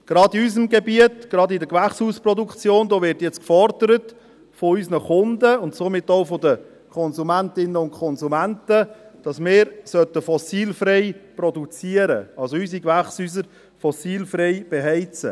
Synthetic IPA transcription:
ɡ̥ɾɑːdiys̬əmɡebiətɡ̥ɾɑdɪdəkʋæχshuːspɾɔdukt͡sjoːndoːʋɪɾtjɛt͡skfɔɾdəɾət | foysnəχʊndəʊntsomɪtːoʊfodə | kʰɔnzumæntɪnəʊntkʰɔnzumæntəd̥ɑsmɪːɾsœtəfɔsiːlfɾɛɪprɔdut͡siəɾə̰ɑlsoysikʋæχsyːs̬əɾ | fɔsiːlfɾɛɪb̥eɦɛɪt͡sə

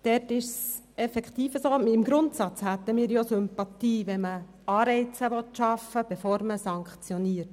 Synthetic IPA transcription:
d̥ɛɾtɪʃs | ɛfɛkχt̪iːfəsoːmɪmɡɾʊntsɑt͡shæt̪ːəmiːɾjosʏmpɑt̪iːʋɛmə | ɑːɾɛɪt͡səʋɔtʃɑfəb̥ɛfoːɾməsɑŋkχt͡sjɔniːəɾt

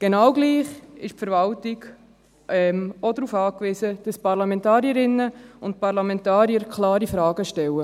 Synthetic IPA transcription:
ɡ̥enɑwɡliːχɪʃpfəɾvɑltiɡ | ɛmɔdɾuːfɑːkʋisəd̥ɑspɑɾlɑmɛ̃ntɑːɾiəɾɪnːəʊntpɑɾlɑmɛntɑːɾiəɾkʰlɑːɾifɾɑːɡəʃtɛwə

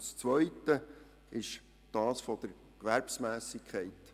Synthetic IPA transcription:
st͡sʋœʏt̪ə | ɪʃ | d̥ɑːsfɔd̥̪əɾ | kʋæɾpsmæːsɪkʰχɛɪt̪

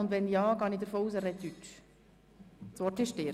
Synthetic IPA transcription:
ʊnd̪ʋɛnjɑːɡɑːnid̪əɾfoːuːsɛrɛtyt͡ʃ | sʋɔtɪʃtɪ

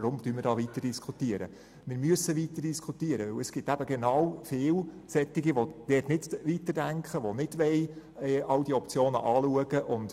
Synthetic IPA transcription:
ɾʊmd̥yːmɪɾdɑːʋit̪əɾd̥iskʰχutiəɾə̰ | mɪːɾmyəsəʋit̪əɾd̥iskʰutiəɾəʋɵwəsɡ̥ɪt̪æb̥əɡenɑwfɪːl | sɛt̪ːɪɡiʋod̥ɛːtnɪdʋitədæŋkχəʋonɪd̥ʋɛjɛʔɑwdiɔpt͡sjoːnə̰ʔɑːluəɡəʔʊnd̥

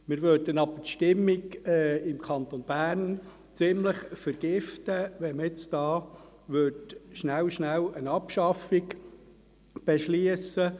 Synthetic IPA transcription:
mɪɾʋødənɑb̥ətʃtɪmːiɡɪmkʰɑnt̪onb̥æːɾn | t͡sɪmləχfəɾɡ̥ɪft̪əʋɛməɪt͡st̪ɑː | ʋøtʃnæwʃnælənɑpʃɑfɪɡ | b̥ɛʃliəsə

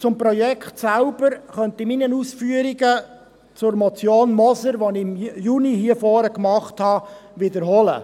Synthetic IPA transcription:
t͡sʊmpɾɔjɛkχtsælb̥əɾχœntɪminənusfyːəɾiɡə | t͡sʊɾmɔt͡sjoːnmɔsəɾʋɔnɪmjunihiəfɔːɾəkmɑχthɑʋɪd̪əɾɦɔlə̰

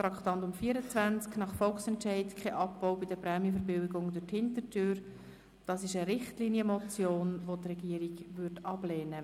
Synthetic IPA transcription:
t̪ɾɑkχtɑntʊmfiːəɾət͡svænt͡sknɑχfɔlksɛntɛɪtkʰɛʔɑpːoʊbɪdəpɾɛːmjəfəɾbɪwɪɡʊŋdʊthɪntətʰøːɾ | d̥ɑsɪʃəɾɪχtliːnjəmɔt͡sjoːnʋotrɛɡiəɾiɡvʏɾtɑbleːnə

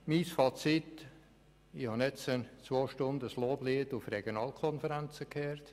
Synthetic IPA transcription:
misfɑːt͡sɪt̪ | ihɑnɛt͡sənt͡sʋvoːʃtʊndəəsloːbliːətufrɛɡ̥jonɑːlkʰɔnfəɾænt͡səkʰɛːɾt

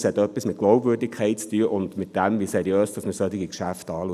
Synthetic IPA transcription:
shɛtœpːismɪt̚ɡ̥loʊpvøːrdɪkʰɛɪt̚t͡styəʔʊndmɪt̚d̥ɛmʋisɛɾjøːsd̥ɑsməsœtɪɡikʃæftɑːluə

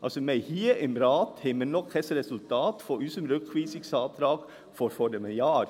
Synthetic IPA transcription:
ʔɑ̰sɔmɛɪhiːəʔɛmɾɑːt̪hɛmənɔkhɛsɾɛsʉlt̪ʰɑːt̪fɔʉsəmɾʉkʰʋiːsɪksɑːt̪ɾɑːɡ | fɔɾfɔd̪ɛmɛjɑːɾ

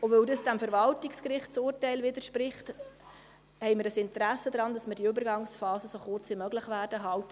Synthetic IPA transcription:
ʊvøldəsd̥æmfəɾvɑltikskrɪχt̚t͡sʊrtɛɪlvɪd̪əɾʃpɾɪχt | hɛɪməɾəsɪntɾæsːəd̪ɾɑndɑsmədiʏbəɾɡɑŋsfɑːsəsoχʊrt͡sʋimœɡlɪχʋæːrdəɦɑltə

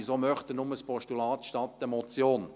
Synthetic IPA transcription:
izomœχt̪ənʊməspʰɔʃtulɑːt̪ʃtɑt̪ːəmɔt͡sjoːn

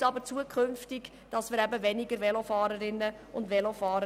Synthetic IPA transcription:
ɑbət͡suəkʰχʏnftɪɡ | d̥ɑsmɪɾæbəvɛniɡəɾvɛlofɑːɾəɾɪnːə | ʊndvɛlofɑːɾə

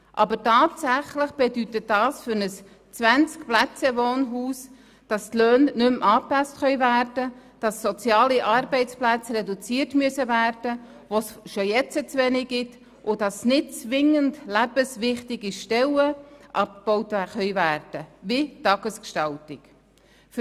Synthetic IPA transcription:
ʔɑbətɑːtsæχləχb̥edytətdɑːsfʏɾnəs | t͡sʋænt͡skplæt͡səʋoːnɦuːs | d̥ɑstløːnnʏmʔɑːpæstχœʏvæːrd̥əd̥ɑsːɔt͡sjɑːliʔɑrbɛɪt͡splæt͡srɛdut͡siːrtmyəsəvæːrd̥ə | ʋosʃojɛt͡sət͡sʋɛnɪɡ̥ɪt | ʔʊd̥ɑsnɪt̚t͡sʋɪŋəndlæb̥əsʋɪχtɪɡiʃtɛləʔɑp̚k̚b̥ɔʊtχœʏvæːrd̥əʋitɑɡ̥əskʃtɑltɪk | f

